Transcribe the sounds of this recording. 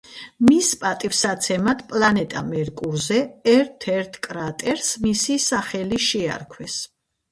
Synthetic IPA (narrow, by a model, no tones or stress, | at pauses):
mispʼat̪ʼifsat̪sʰɛmat̪ʰpʼlanɛt̪ʼa̰mɛɾkʼuɾzɛɛɾt̪ʰɛɾt̪ʰkʼɾat̪ʼɛɾsmisisaχɛliʃɛa̰ɾkʰwɛs